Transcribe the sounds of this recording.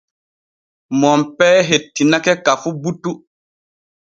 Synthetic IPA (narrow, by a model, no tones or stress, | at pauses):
mɔmpɛːɦetːinakɛkafubutːu